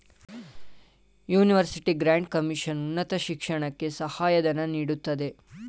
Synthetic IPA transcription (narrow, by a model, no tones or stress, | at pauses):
juːniʋɐɾsiʈiɡɾaːɳɖkɐmiʃɐnunːɐt̪ɐʃikʂɐɳɐkːe̞sɐhaːjɐd̪ɐnːɐniːɽut̪ːɐd̪e̞